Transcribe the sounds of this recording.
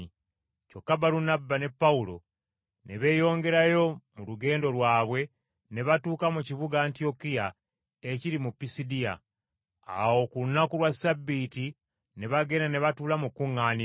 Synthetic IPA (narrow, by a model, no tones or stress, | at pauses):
co̞kːabaɾunabːane̞pːaulo̞̰ | ne̞βe̞ːjo̞ːŋɡe̞ɾajo̞muluɡe̞ːndo̞lwaːβwe̞ | ne̞βatuːkamucivuɡaːntio̞kija | eciɾimupːisidija̰ | a̰wo̞kuunːakulwasabːiti | ne̞βaɡe̞nane̞βatuːlamukːuŋːaːni